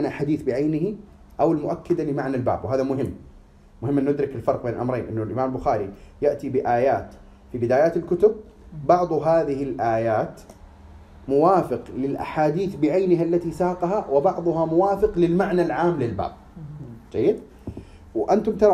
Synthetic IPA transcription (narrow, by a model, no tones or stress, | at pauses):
naħaːd̪iːθbɪʕajnɪɦi | ʔawɪlmʊʔakːɪd̪alɪmaʕnalba̰ːbwɦaːðamʊɦɪmː | mʊhɪmʔɪnːʊd̪ɾɪkɪlfɑɾˤq̚beːnʔa̰mɾˤḛːnʔɪnːʊlʔɪmaːmalbʊxaːɾḭjaʔt̪ibɪʔaːjaːt̪ | fibɪd̪aːjaːt̪ɪlkʊt̪ʊb̚ | bɑʕd̪ˤɦaːðɪɦɪlʔaːjaːt̪ | mʊwaːfɪqlɪlʔa̰ħaːd̪iːθbɪʕajnɪɦalːat̪isaːqɑɦawɪbɑʕd̪ˤʊɦamʊwaːfɪqlɪlmaʕnalʕaːmlɪlba̰ːb̚d͡ʒajːɪd̪ | wʔant̪ʊmt̪ɑɾ